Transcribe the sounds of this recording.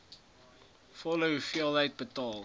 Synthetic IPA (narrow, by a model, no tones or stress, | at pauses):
fɔləufiəlˠɦəjt̚bətɑːlˠ